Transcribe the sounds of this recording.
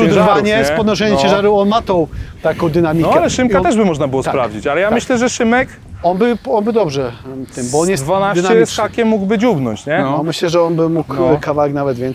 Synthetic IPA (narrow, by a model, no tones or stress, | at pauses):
uvaɲɛsɛpɔd̪nɔʂ̬ɛɲɛ̃mt͡ɕɛ̃ʐaɾuɔnmat̪ɔ̃t̪akɔ̃w̃d̪ɨnamʲiɔalɛʂɨmkkat̪ɛʐbɘmɔʐnabɘwɔsapɾavd͡ʑit͡ɕalɛjammɘɕlɛʐɛʂɘmɛk | ɔnbɘɔnbɘd̪ɔbʐɛt̪ɪmbɔɔnjɛd̪vanaɕt͡ɕɛjsxakʲɛmːuɡbɘd͡ʑubnɔɲt͡ɕɲɛnɔmɘɕlɛʐɛɔnbɪmuk̪kavawɛknavɛd̪vʲjɛns